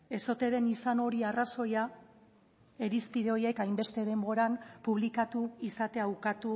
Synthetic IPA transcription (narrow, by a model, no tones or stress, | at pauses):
e̞so̞t̪e̞ðe̞nisano̞ɾiaraso̞ja | e̞ɾispiðeo̞je̞kajmbe̞st̪e̞ðe̞mbo̞ɾampuβ̞likat̪uisat̪e̞awkat̪u